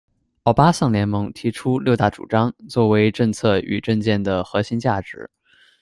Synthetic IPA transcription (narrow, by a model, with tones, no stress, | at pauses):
ɑ˥˩ʊpa˥ɕɑ˥˩ŋljɛ˧˥nmɤ˧˥ŋt̪ʰi˧˥ʈ͡ʂʰu˥ljo˥˧ʊt̪a˥˩ʈ͡ʂṵ˨˩ʈ͡ʂɑ˥ŋt͡swɔ˥˩we˧˥ɪʈ͡ʂɤ˥˧ŋt͡sʰɤ˥˩y̰˨˩ʈ͡ʂɤ˥˧ŋt͡ɕjɛ˥˩nd̪ə˩xɤ˧˥ɕi˧˥ŋt͡ɕja˥˩ʈ͡ʂɻ̩˧˥